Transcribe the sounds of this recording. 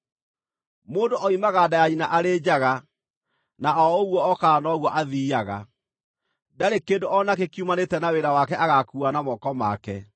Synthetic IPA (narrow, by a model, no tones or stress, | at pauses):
moːndoʔɔimaɣadajaɲinaʔaɾeːd͡ʑaɣa | naɔoɣwɔːkaːnɔɣwɔʔaðiːaɣa̰ | daɾekendoʔɔnakekiumanetɛnaweɾawakɛʔaɣakuanamɔkɔma̰kɛ̰